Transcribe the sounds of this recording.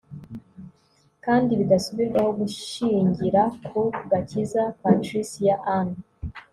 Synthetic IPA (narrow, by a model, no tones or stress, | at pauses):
kaːndiβiɡasuβiɾɡahoɡuʃiɲɟiɾakʰoɡacizapatɾisijaʔan